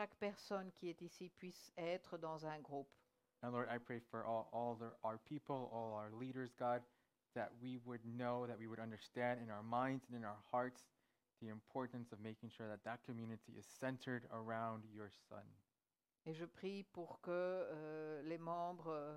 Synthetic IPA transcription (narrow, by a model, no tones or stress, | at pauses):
ʃakpɛʁsɔnkʲiɛt̪isipɥisɛt̪χəd̪ɑ̃zɛ̃ɡʁup | ɛ̃nlɔɹɾaɪpʰɹ̥eɪfə˞ʔɔɔlˠðəaʊə˞pʰipl̩ˠɔlˠaʊə˞liɾə˞zɡɑd̪̚ | ðɨ̰ʔ̚wiwədⁿnoʊðɨt̚wiwəɾʌ̃ndə˞stæ̃ndɨ̃naʊə˞mãɪ̃ndzɨ̃nɨ̃naʊə˞hɑɹts | ðiɨ̃mpʰɔɹʔn̩sʌvmeɪkɪ̃ŋʃʊɹðɨt̪̚ðət̚kʰɨmjʉnɨɾiʔɨz̥sɛ̃ntʰə˞ɾə˞ãʊ̃ndjə˞sʌ̰̃n | eʒəpχipuʁkə | lemɑ̃bʁ